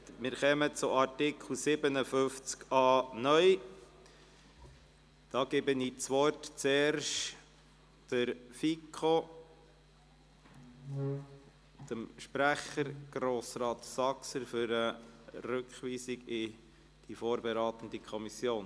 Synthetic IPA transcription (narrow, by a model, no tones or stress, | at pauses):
mɪːɾχɛmət͡sʊʔɑɾtɪkχl̩ˠsɪbənəfʏft͡skɑːnœʏ | d̥ɑːɡebəniːt͡sʋɔrtt͡seːɾʃt | təɾfikʰo | d̪̥əmʃpɾæχəɾɡ̥ɾoːsɾɑːt̪sɑksəɾfʏɾəɾʉkχʋiːsiɡɪ | d̥ifoːɾbɛɾɑːt̪ən̩d̥̪ikʰɔmisjoːn